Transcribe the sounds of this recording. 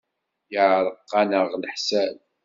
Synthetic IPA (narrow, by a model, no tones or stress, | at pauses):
jəʕɾˤəqːɑnəʁlħsæl